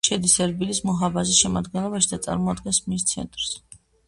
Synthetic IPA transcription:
ʃɛd̪isɛɾbilismɔɦabazisʃɛmad̪ɡɛnlˠɔbaʃid̪at̪sʼa̰ɾmɔad̪ɡɛnsmist̪sʰɛ̰nt̪ʼɾs

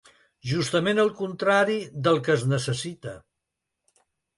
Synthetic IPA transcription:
ʒust̪əmenəlˠkunt̪ɾaɾiðəlˠkəːznəsəsit̪ə

